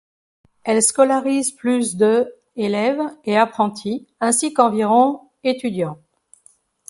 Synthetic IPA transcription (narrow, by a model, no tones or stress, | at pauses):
ɛlskɔlaʁizplysd̪ə | elɛveapχɑ̃t̪ʰiɛ̃sikɑ̃viʁɔ̃ | et̪yd̪jɑ̃